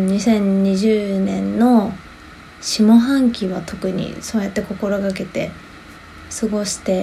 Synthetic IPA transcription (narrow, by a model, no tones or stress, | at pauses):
ɲ̟isẽ̞ɲ̟ɲiʑɨːnẽ̞nːo̞ | ɕimo̞ɦãŋkʲiβat̪ʰo̞kɯ̟ɲ̟ḭso̞ːjat̪ːe̞ko̞ko̞ɾo̞ɡake̞t̪e̞ | sɨɡo̞ɕi̥t̪e̞